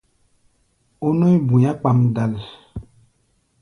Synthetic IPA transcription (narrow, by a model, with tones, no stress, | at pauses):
o˦no˦i˦bũ˨ja˦k͡pa˨mda˨l